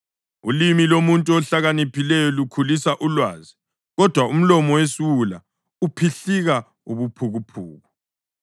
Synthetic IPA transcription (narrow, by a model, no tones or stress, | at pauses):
ulimilomuntʼuɔɬaɣanipʰilɛjɔlukʰulisaʔulwaːzi | ɣɔd̥ʱwaum̩lɔmɔwesiwula | upʰiɬiɣa | uβupʰuɣupʰṵːɣu